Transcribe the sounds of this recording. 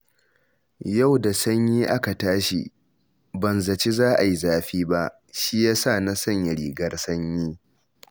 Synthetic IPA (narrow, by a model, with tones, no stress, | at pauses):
ja˦˨wda˨sɐ˦ɲjiː˦ʔa˦ka˨taː˦ʃḭ˨ | bɐ˨nzɐ˨t͡ʃi˦zaː˦ʔa˨ji˦zaː˦ɸiː˦ba˦ʔ | ʃi˦jaː˦sa˦˨na˦sɐ˦˨ɲjɐ˨ɽiː˨ɡɐ˦rsɐ˦ɲjiː˦